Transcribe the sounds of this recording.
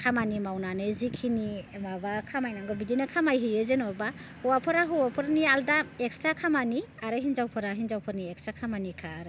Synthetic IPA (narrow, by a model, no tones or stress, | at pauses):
kʰamanimawnanɯzikʰinimabakʰamajnaŋɡɔbidinɯkʰamajɦɯjezenɔbahɔwapʰɔɾaɦɯwapʰɯɾnialdaekstɾakʰamaniaɾɯɦinzawpʰɔɾaɦinzawpʰɯɾniek̚stɾakʰamanikʰaːɾ